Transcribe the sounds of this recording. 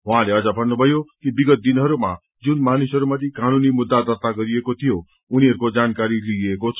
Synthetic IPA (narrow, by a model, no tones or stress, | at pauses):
ɦw̃ãleʌd͡zʌbʱʌnːubʱʌjokibiɡʌt̪̚d̪inɦʌɾuma | d͡zunmanisɦʌɾumʌt̪ikanunimud̪ːad̪ʌrt̪aɡʌɾiekot̪ʰijo | uniɦʌɾukod͡zankaɾiliekot͡sʰʌ